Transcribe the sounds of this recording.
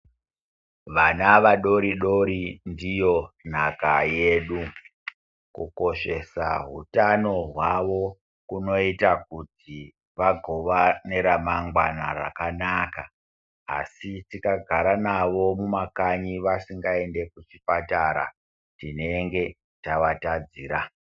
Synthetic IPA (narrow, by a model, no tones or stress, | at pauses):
ʋanaʋaɗo̞ɾiɗo̞ɾindijo̞n̤akaje̞ːɗu | kṵko̞ʃe̞sa̰ɦṵtano̞ɦwaʋo̞ | kuno̞itakuti | ʋaɡʱo̞ʋaneɾamaŋɡwana̰ra̰kanaka̰ː | sitikaɡʱaɾanaʋo̞mumakaɲiʋasiŋɡae̞nde̞kut͡ʃipataɾa̰ | tine̞ŋɡe̞ | taʋatad͡ziːɾa